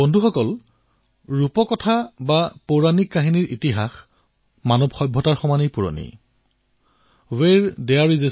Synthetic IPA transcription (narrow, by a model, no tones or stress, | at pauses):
bɔndʱuxɔkɔl | ɹupɔkɔtʰabapoɹanikːaɦiniɹʔitiɦax | manɔbxɔjbʱːɔtaɹxɔmanijpuɹo̰nḭ | weɹdɛjaɹize